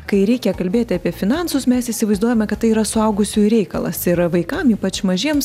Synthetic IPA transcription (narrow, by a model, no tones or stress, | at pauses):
kɐɪɾʲɛɪkʲɛkɐlʲbʲeːt̪ʲɪɑːpʲiɛfʲɪnɑnsʊsmʲɛsɪsʲɪʋɐɪzd̪uɔjɛmʲɛkɐt̪t̪ːɐɪiːɾɐsʊɐʊɡʊsʲuːɾʲɛɪkɐlˠɐ̰sɪɾʋɐɪkɐmiːpɐt͡ʃmɐʒʲiɛms